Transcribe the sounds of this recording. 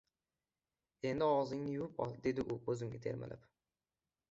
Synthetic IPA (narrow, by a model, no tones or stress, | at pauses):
e̞nd̪ɪɒwzɪŋnɪjʊwɪpɒ̰d̪e̞d̪ɪʔʊkʰɵzɪŋɡʲɪ̰t̪ʰe̞ɾma̰lʔa̰p